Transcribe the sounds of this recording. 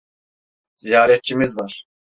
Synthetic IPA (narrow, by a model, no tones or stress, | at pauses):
z̥ijaːɾɛt̪̚t͡ʃʰimizvaɾ